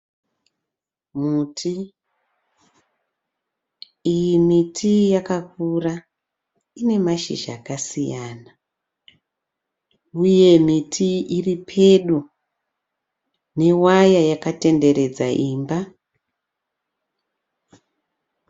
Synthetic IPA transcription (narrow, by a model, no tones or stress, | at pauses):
mutʰi | ijimitʰijakakura | ine̞maʃḭʒa̰kasijaːna | uje̞mitʰiiripʰe̞ɗu | ne̞wajajakate̞nde̞ɾe̞d͡za̰ʔimba